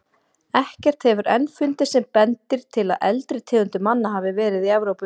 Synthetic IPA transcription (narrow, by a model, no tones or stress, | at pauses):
ɛhcɛr̥t̪hɛvʏɾɛnfʏnt̪ɪsɛmpɛnt̪ɪɾ̥t̪ʰɪla̰ðʔɛ̰lt̪ɾɪt̪ʰɛːɣʏnt̪ʏmanːaɦaːvɪvɛːɾɪðiɛvɾowpʏ